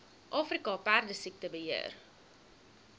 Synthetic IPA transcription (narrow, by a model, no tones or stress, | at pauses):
ʔɑːfrikɑpærdəsik̚təbəɦiə̰r